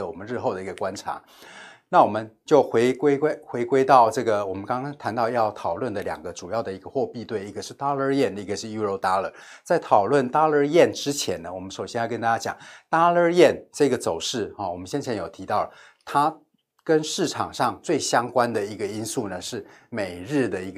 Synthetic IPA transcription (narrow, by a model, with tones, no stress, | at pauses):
ə˩wɔ˨˩mə˦nɻ̩˥˧xo˥˩ʊd̪ə˩i˧˥ɡə˧kwa˥nʈ͡ʂʰa̰˧˥˦ | na˥˩wɔ˨˩mə˦nt͡ɕjo˥˩ʊxwe˧˥ɪkwe˥ɪkwe˥ɪxwe˧˥ɪkwe˥ɪt̪ɑ˥˧ʊʈ͡ʂɤ˥˩ɡə˩wɔ˨˩mə˦nkɑ˥ŋɑ˥ŋt̪ʰa˧˥nt̪ɑ˥˧ʊjɑ˥˩ʊt̪ʰɑ˨˩ʊlwə˥˩nd̪ə˩ljɑ̰˨˩ŋɡə˦ʈ͡ʂu˨˩jɑ˥˩ʊd̪ə˩i˧˥ɡə˧xwɔ˥˧pi˥˧t̪we˥˩ɪi˥ɡə˧ʂɻ̩˥˩t̪a˥lə˥˧jɛ˥˩n˧i˥ɡə˩ʂɻ̩˥˩ju˥ɻo˧˥ʊt̪a˥lə˧˥t͡sa˥˩ɪt̪ʰɑ˨˩ʊlwə˥˩nt̪a˥ə˞˥˧jɛ˥˩nʈ͡ʂɻ̩˥t͡ɕʰjɛ̰˧˥nnə˧wɔ˨˩mə˦nʂo˨˩ʊɕjɛ˥njʊkə˥nt̪a˥t͡ɕja˥t͡ɕjɑ̰˨˩ŋt̪a˥ə˥˧jɛ˥˩nʈ͡ʂɤ˥˩˥ɡə˩t͡so˨˩ʊʂɻ̩˥˩a˥˩wɔ˨˩mə˦nɕjɛ˥nt͡ɕʰjɛ˧˥njo˨˩ʊt̪ʰi˧˥t̪ɑ˥˩ʊlə˩ | t̪ʰa˥ | kə˥nʂɻ̩˥˩ʈ͡ʂʰɑ̰˨˩ŋʂɑ˥˧ŋt͡swe˥˩ɪɕjɑ˥ŋkwa˥nd̪ə˨i˧˥ɡə˧i˥nsu˥˩nə˩ʂɻ̩˥˩me˨˩ɪɻɻ̩˥˩d̪ə˩i˧˥ɡ